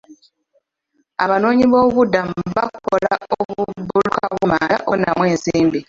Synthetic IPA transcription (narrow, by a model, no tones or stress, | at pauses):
aβano̞ːɲiβo̞ːβudamβakuko̞laoβubulukaβumaaʔonamwe̞ːnziːmbi